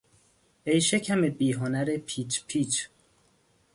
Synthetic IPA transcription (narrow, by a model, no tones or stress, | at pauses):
ejʃecʰæmebiːɦonæɾepʰiːt͡ʃʰpʰiːt͡ʃʰ